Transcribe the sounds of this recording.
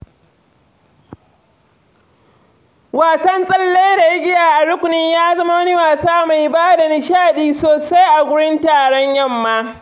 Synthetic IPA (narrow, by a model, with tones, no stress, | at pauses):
waː˨sɐ˦nsʼɐ˦lːe˦da˨jɪ˦ɡʲɪ˦jaː˨ʔa˨ɽʊ˦kʷʊ˨nɪ˦ɲjaː˦zɐ˦ma˦wɐ˦ni˦waː˨saː˦ma˨jbaː˦da˨nɪ˨ʃaː˦˨ɗiː˦soː˨sa˦jʔa˨ɡʷʊ˦ɽɪ˦ntaː˨ɽɔ˦ɲjɐ˦mːaː˦